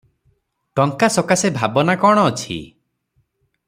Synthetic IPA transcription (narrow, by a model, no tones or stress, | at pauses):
ʈɔŋkasɔkasebʱabɔnakɔɽ̃ɔːt͡ʃʰḭ